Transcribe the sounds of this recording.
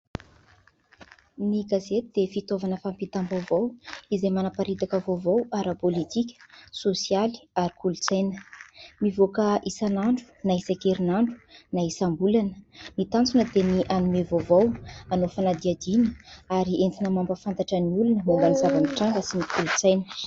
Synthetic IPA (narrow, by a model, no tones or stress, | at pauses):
niɡazet̪id̪̥efit̪ovanəfampit̪ambavowizejmanapaɾit̪akəvovowaɾəpolit̪ikʲə̥sosiali̥aɾikulut͡sajnə̥mivokəisanaɳɖ͡ʐu̥naisakeɾinaɳɖ͡ʐu̥naisambulanə̥mit̪ant͡sunəd̪eniʔanumevovawanofanad̪iad̪inəaɾiʔent̪inəmambəfant̪aʈ͡ʂəniulunəmuŋɡanizavaniʈ͡ʂaŋɡəsinikulut͡sajnə̥